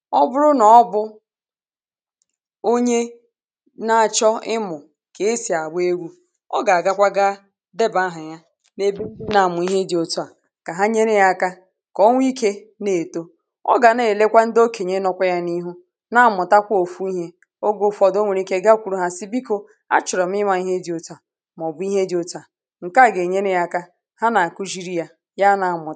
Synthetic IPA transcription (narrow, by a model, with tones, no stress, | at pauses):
ɔ˦bʊ˦ɾʊ˦nɔ˨ɔ˦bʊ˦ | o˦ɲe˦ | na˨a˨t͡ʃɔ˦ɪ˦mʊ˨ | ke˨˦si˨a˨ɡ͡bʊ˦e˦ɡʷu˦ | ɔ̰˦ɡa˨a˨ɡa˦kʷa˦ɡa˦ | de˦ba˦ɦa˨ɲa˦ | ne˦bi˦na˨a˨mʊ˨i˦ɦe˦di˨o˨tu˦a˨ | ka˨ɦa˦ɲe˦ɾe˦ja˦˨ka˦ | kɔ˦ŋʷ˦i˦ke˦ | ne˨to˦ | ɔ̰˦ɡa˨ne˨le˦kʷa˦n̩˦do˦ke˨ɲe˦nɔ˦kʷa˦ja˦ni˦ɦu˦ | na˦a˨mʊ˨ta˦kʷo˨fu˦i˦ɦe˦ | o˦ɡo˦fɔ˨do˦ŋʷe˨ɾi˦ke˦ɡa˦kʷu˨ɾu˦ɦa˦si˦bi˦ko˦ | a̰˦t͡ʃʊ˨ɾɔ˨m̩˦ɪ˦ma˨i˦ɦe˦di˨o˨ta˨ | m˨ɔ˨bʊ˦i˦ɦe˦di˨o˦ta˨ | ŋ̩˨ka˦˨ɡe˨ɲe˦ne˦ja˦ka˦ | ha˦na˨a˨ku˦ʒi˦ɾi˦ja˨ | ja˦na˨mʊ˨˦